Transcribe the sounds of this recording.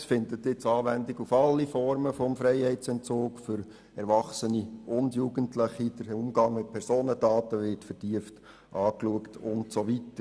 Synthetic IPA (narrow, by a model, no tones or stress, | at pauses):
sfɪndətɪt͡sɑːʋændɪɡufɑlːifɔɾməfɔmfɾɛɪhɛɪt͡sɛnt͡soːkfʏɾ | ɛɾʋɑχsəniʔʊndjuːɡəntləχid̥əɾʊmɡɑŋmɪt̚pʰɛɾsoːnədɑːtəʋɪtfəɾtiəft | ʔɑːkluəktʰʊntsoʋitəɾ